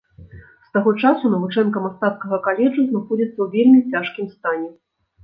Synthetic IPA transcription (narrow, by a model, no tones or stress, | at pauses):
st̪aɣɔt͡ʂasunɐvut͡ʂɛnkɐmast̪at̪skɐɣɐkalʲɛd͡ʐuznaxɔd͡zʲit̪sːɐwvʲelʲmʲit͡sʲaʂkʲimst̪anʲɛ